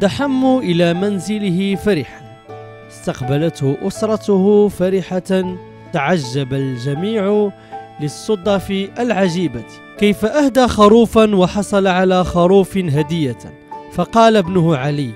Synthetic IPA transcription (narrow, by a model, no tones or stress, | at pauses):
t̪aħamːuʔɪlamænzɪlɪhɪfaɾɪħa | st̪ɑqbalat̪hʊʔʊsɾˤɑt̪ʊhʊfaɾɪħa | t̪aʕaʒːabalʒæmiːʕʊ | ləsˤːʊd̪ˤːɑfiʔælʕaʒiːba | kajfaʔahd̪aːxɑɾˤuːfanwɑħɑsˤɑlɑʕalaxɑɾˤuːfnɦad̪ɪjːa | fɑqɑːlabnʊhʊʕali